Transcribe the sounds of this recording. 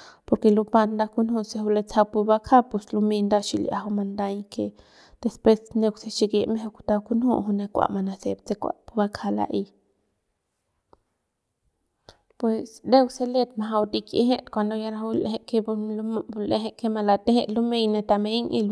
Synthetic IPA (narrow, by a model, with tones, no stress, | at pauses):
po˧ɾke˧lu˧ba˧nd̪a˧ku˦nhu˦˧se˧hu˧le˧t͡sa˧wpu˧ba˦kʰa˦pu˧slu˧me˧nd̪a˧ʃi˧lja̰˧ɦu˧ma˧nd̪a˧jke˧ | d̪̥e˧spwe˧sne˧wse˧ʃi˧ɡi˧ʔme˦he˧ku̥˧t̪a˧ku˦nhṵ˦ɦu˧ne˧kʷa̰˨ʔma˧na˧se˨bt͡se˧kʷa̰˨pu˧ba˧kʰa˧la̰˧ʔi˧ | pwe˨sd̪e˦wse˧le˧t̪̚ma˧˨ɦa˧wd̪i˧kḛ˧ɦe˦t̪kʷa˧nd̪o˧ja˧ɾa˧u˧˦le˧e˧ke˧blle˧ɦe˧ke˦ma˧la˧t̪e˦he˧t̪lu˦me˧jne˧t̪a˧me˧˦jŋi˧l